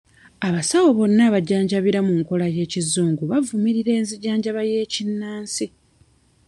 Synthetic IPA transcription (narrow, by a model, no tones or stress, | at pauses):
aβasawoβo̞nːaβaɟaːɲɟaβiɾamuŋko̞laje̞ːcizuːŋɡuβavumiɾiɾe̞ːnziɟaːɲɟaβaje̞ːcinːaːnsi